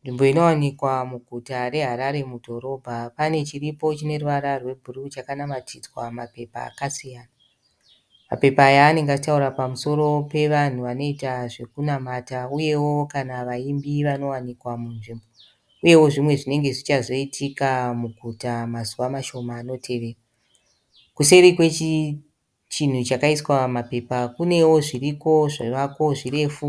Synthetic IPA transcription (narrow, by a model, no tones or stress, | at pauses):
nʐimbo̞ino̞wanikwamuɡʱutaɾe̞ɦaɾaɾe̞mudʱo̞ɾo̞bʱapane̞t͡ʃiripo̞t͡ʃine̞ruʋaɾarwe̞bʱurut͡ʃakanamatʰid͡zwamape̞pa̰ːkasijaːna | ma̰pe̞paːjaːne̞ŋɡaitauɾapamuso̞ɾo̞pe̞ʋan̤uʋano̞itaʐe̞kunamatauje̞wo̞kanaʋaimbiʋano̞wanikwamunʐimbo | uje̞wo̞ʐimwe̞ʐine̞ŋɡe̞ʐit͡ʃazo̞itʰikamuɡʱutamazuʋamaʃo̞maːno̞tʰe̞ʋe̞ːra | kuse̞ɾikwe̞t͡ʃi | t͡ʃin̤ut͡ʃakaiswamape̞pakune̞wo̞ʐiriko̞ʐaʋako̞ʐire̞fu